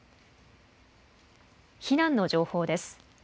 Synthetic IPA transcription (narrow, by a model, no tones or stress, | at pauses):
çinãnːo̞ʑo̞ːho̞ːd̪e̞sɨ̥